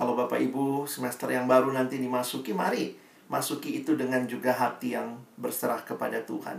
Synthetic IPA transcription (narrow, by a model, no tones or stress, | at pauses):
kalawbapa̰ʔibusəmɛst̪ərjaŋbaɾunant̪idimasukimaɾi | masukiːt̪udəŋand͡ʒuɡaɦat̪ijaŋbərsəɾahkəpa̰dat̪ṵha̰n